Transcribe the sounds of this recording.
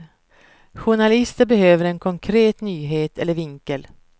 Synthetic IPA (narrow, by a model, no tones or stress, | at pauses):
ɧʊɳalɪst̪əɾbɛhøːvəɾɛnkʰɔŋkʰɾeːt̪nyːɦeːt̪ʰɛlːəɾvɪŋkəl